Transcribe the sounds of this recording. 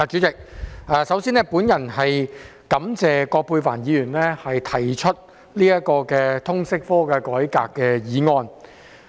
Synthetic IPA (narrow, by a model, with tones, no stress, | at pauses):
a˨˧t͡ʃyː˨˥t͡sɪ˨k̚aː˨˧sɐ˨˥wsiː˥nɛː˥puː˨˥njɐ˨˩nɦɐ˨j | kɐ˨˥mt͡sɛː˨kɔː˧k̚pʰuː˧faː˨˩njiː˨˧jyː˨˩nlɛː˥hɐ˨jt̪ʰɐ˨˩jt͡ʃʰɵ˥t̚ | liː˥jɐ˥t̚kɔː˧kɛː˧t̪ʰʊ˥ŋsɪ˥k̚fɔː˥kɛː˧kɔː˨˥jkaː˧kːɛː˧jiː˨˥ŋɔː˧n